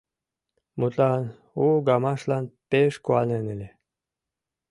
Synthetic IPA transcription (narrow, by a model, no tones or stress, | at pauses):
mut̪lɑn | uɡɑmɑʃlɑnpeʃkuɑnenelʲe